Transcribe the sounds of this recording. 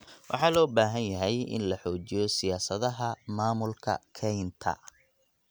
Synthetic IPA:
wʔɑ̰ħɑːlɔːbaːɦɐnjɐɦɛjɪ̰nlɐħɔːt͡ʃɪjɔsɪjaːsɐðɐɦɐmaːmʊlkʰɐ̰kʰɛjnt̪ʰɐ̰

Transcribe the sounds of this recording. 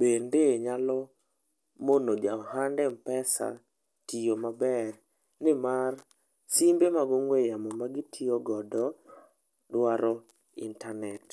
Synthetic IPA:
bendeɲalɔ | monod͡ʒaɦandɛmpɛsa̰ | tʰijomabɛr | nɪmar | simbemaɡɔŋwejamɔmaɡitʰijoɡɔdɔ | dwaɾɔ | ḭntanɛt

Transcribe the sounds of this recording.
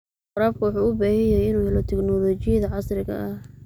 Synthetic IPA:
qʊɾaːb̚kʰʊwʊħuːʊbaːhɛjɛjɪnuːhɛlɔt̪ʰɪɡnɔlɔːt͡ʃɪjɐðɐʕɑsrɪɣɐ̰ʔɐh

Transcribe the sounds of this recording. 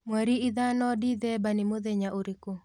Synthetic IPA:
mwɛɾiɪðanɔdiðɛbanɪmoðɛɲaʔoɾeko

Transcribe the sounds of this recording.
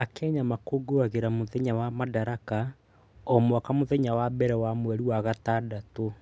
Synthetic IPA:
akɛːɲamakoːɡoaɣeɾamoðɛɲawamadaɾaka | ɔmwakamoðɛɲawabɛɾɛwamwɛɾiwaɣatadato

